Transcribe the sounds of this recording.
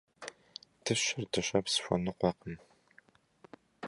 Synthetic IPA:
d̥ɨɕɪrdɨɕɐpsɕʷɔ̰nɨqʷɔqəm

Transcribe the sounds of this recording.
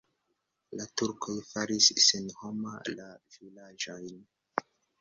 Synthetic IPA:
latuɾkʰojfaɾisːenho̞ma̰lavilad͡ʒojn

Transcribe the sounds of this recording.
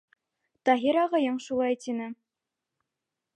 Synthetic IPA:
t̪ɑɦiɾɑʁɤ̆jɤɴʃulˠɑjt̪inɘ

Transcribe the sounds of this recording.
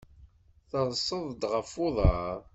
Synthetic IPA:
θəðˤsˤːəðˤd̪ʁəfʊðˤəɾˤ

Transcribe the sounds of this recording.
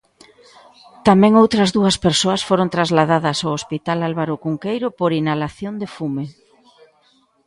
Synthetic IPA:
t̪amɛ̃ŋowt̪ɾɐzðuɐspeɾsoɐsfoɾõnt̪ɾazlaðaðɐsawospit̪alalβaɾʊkuŋkejɾopoɾinalaθjond̪efume

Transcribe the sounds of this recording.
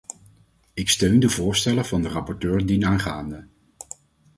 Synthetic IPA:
ɪkstøɥndəvʊːɹstɛləvɑndərɑpɔɹtøːɹdinaːχaːndə

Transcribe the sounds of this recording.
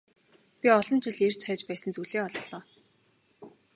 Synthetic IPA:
pʲiɔɮɞ̆nt͡ɕɪɮer̥t͡ɕʰχœːt͡ɕpæːsə̆nt͡suɮeːɔɮɮɔː

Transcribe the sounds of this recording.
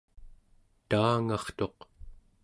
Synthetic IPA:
t̪aːŋɑχt̪o̞q

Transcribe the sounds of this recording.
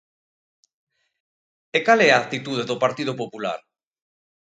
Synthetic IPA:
ekalɛaːt̪it̪uðeðopaɾt̪ið̞opopula̰ɾ

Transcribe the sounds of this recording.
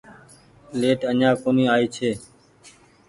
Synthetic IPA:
leːʈənãːkoːniːaːiːt͡ʃʰeː

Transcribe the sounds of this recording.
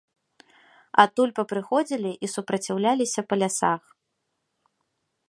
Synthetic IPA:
a̰t̪ːulʲpɐpɾɨxɔd͡zʲilʲiʔisupɾɐt͡sʲiwlʲalʲisʲɐpɐlʲasax

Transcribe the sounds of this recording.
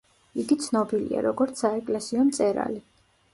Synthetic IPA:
iɡit̪sʰnɔbilḭa̰ɾɔɡɔɾt̪saɛkʼlɛsiɔmt̪sʼɛɾa̰li

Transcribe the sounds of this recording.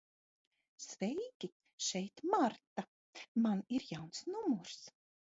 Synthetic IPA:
svɛjk̪ʲi | ʃɛjt̪maɾt̪a | maniɾjawnsnumuɾs

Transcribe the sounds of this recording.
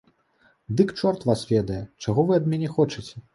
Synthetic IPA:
d̪ɨkt͡ʂɔrt̪vasvʲɛd̪ɐjɛt͡ʂaɣɔvɨɐd̪̚mʲɛnʲɛxɔt͡ʂɐt͡sʲɛ

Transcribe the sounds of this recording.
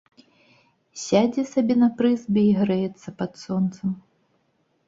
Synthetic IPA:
sʲad͡zʲɛsabʲɛnɐpɾɨzbʲɛiɣɾɛjɛt̪sːɐpɐt̪sɔnt̪sɐm

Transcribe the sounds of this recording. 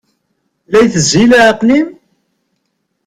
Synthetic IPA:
læjθəzilæʕqnim

